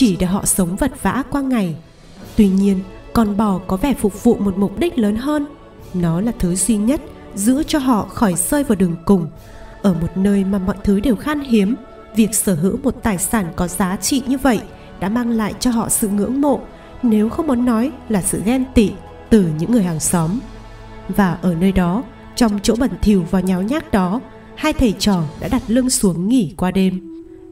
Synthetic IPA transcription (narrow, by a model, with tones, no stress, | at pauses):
t͡ɕi˧˩ɗe˧˩ɦɔ̰˧˨sə˨˦wŋ͡mvə˨˩t̚v̥a̰ː˧˥kwaː˧ŋa˨˩j | t̪wi˧ɲi˧ənkɔ˨˩nɓɔ˧˩kɔ˨˦vɛ˧˩fʊ˨˩k͡p̚v̥ṵ˧˨mo˨˩t̚mʊ˨˩p̚ɗi˦˥k̟̚ləː˨˦nɦəː˧n | nɔ˨˦laː˨˩t̪ʰɨ˨˦zwi˧ɲə˦˥t̚ | zɨ̰˧˥ət͡ɕɔ˧ɦɔ̰˧˨xɔ˧˩jsəː˧jvaː˨˩wɗɨ˨˩əŋkʊ˨˩ŋ͡m | ʔəː˧˩mo˨˩t̚nəː˧jmaː˨˩mɔ̰˧˨jt̪ʰɨ˨˦ɗe˨˩wxaː˧nɦi˨˦əm | vi˨˩ək̚səː˧˩ɦɨ̰˧˥wmo˨˩t̚t̪aː˨˩jsaː˧˩nkɔ˨˦z̥aː˨˦t͡ɕḭ˧˨ɲɨ˧və̰˧˨j | ɗa̰ː˧˥maː˧ŋla̰ː˧˨jt͡ɕɔ˧ɦɔ̰˧˨sɨ̰˧˨ŋɨ̰˧˥əŋmo̰˧˨ | ne˨˦wxə˧wŋ͡mmɔ˨˦nːɔ˨˦jlaː˨˩sɨ̰˧˨ɣɛ˧nt̪ḭ˧˨ | t̪ɨ˨˩ɲɨ̰˧˥ŋːɨ˨˩əjha˨˩ŋsɔ˨˦m | vaː˨˩ʔəː˧˩nəː˧jɗɔ˨˦ | t͡ɕɔ˧wŋ͡mt͡ɕo̰˧˥ɓə˨˩nt̪ʰi˧˩əwvaː˨˩wɲa˨˦wɲaː˦˥k̚ɗɔ˨˦ | haː˧jt̪ʰe˧˩t͡ɕɔ˨˩ɗa̰ː˧˥ɗa˨˩t̚lɨ˧ənsu˨˦əŋːi˧˩kwaː˧ɗe˧m